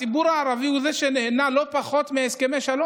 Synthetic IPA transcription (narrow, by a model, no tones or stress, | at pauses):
ibuɾaːʁaviuzeʃeneenalo̞paχo̞t̪meeskemeʃalo